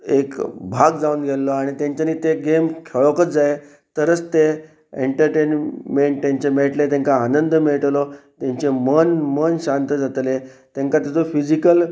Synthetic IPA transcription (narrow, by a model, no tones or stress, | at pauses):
ekbʱaɡd͡zauːnɡelːɔaɽ̃it̪jãɲt͡ɕaniːt̪eɡemkʰeɭokət͡sd͡zae | t̪əɾət͡st̪e | eɳʈəɾʈenmeɳʈ̚t̪jãɲt͡ɕemeɭʈlet̪ẽŋkaːnənd̪əmeɭʈlɔt̪jãɲt͡ɕemənmənɕant̪əd͡zat̪let̪ẽŋkat̪at͡sofid͡ʑikəl